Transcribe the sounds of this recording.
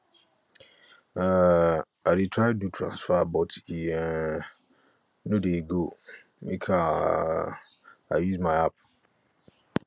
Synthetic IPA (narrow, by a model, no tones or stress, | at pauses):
a | adetʰɹaɪdutʰɹã̰nsfabɔtiɛ | nõdeɡo | mḭkʰa | ajuzmãɪap̚